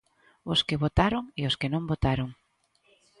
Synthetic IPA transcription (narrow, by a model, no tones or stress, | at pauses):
ʊskɪβot̪aɾʊŋeʊskɪnõmbot̪aɾoŋ